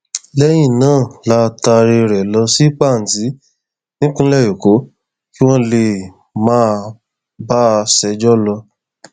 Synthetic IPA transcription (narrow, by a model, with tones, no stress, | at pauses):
lɛ˦j̃ĩ˦˨nãː˦˨la˦˧ta˧ɾe˧ɾɛ˨lɔ˧si˦k͡pa˦˨n̩˨ti˨˦ | nĩ˦kũ˦lɛ˦˨jo˨ko˨˦ | ki˦w̃ɔ̃˦le˨ | mãː˦ | ba˦˧sɛ˧˦d͡ʒɔ˦lɔ˧